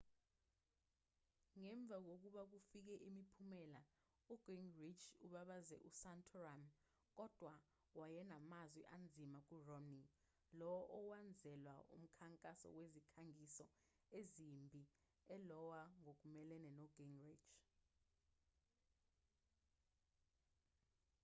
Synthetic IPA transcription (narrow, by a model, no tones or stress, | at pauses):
ŋɛɱb̪vʱak̬ok̬uɓak̬ufik̬ɛʔimipʰumɛla | uɡ̥iŋrit͡ʃʰuɓaɓazɛ̰ʔusantʰɔram | k̬ɔd̥ʱwa | wajɛnamazwɛʔand͡zʱimak̬urɔmni | lɔʔɔwand͡zʱɛlwaṵm̩kʰaŋkʼasɔ̰wezikʰaŋisɔ | ezimbʱi | ɛlɔwaŋok̬umɛlɛnɛnɔɡ̥iŋrit͡ʃʰ